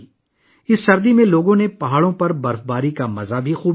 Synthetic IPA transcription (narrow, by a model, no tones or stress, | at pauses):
ɪsːɐɾd̪imẽloːɡõnepɐɦaːɽõpɐɾbɐɾfbaːɾikamɐzabʱixuːb